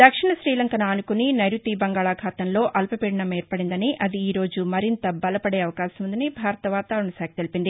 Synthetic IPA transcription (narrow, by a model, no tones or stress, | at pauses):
d̪ɐkʂiɳɐʃɾiːlɐŋkɐnɐːnukuninɐjɾut̪ibɐŋɡaːɭaːkʰaːt̪ɐnlo̞ːʔɐlpɐpiːɽɐnɐmɛːɾpɐɽind̪ɐniʔɐd̪iːɾo̞ːd͡ʒumɐɾint̪ɐbɐlɐpɐɽe̞ːɐʋɐkaːsɐmund̪ɐnibʱaːɾɐt̪ɐʋaːt̪aːɾuɳɐsaːɡɐt̪elipind̪i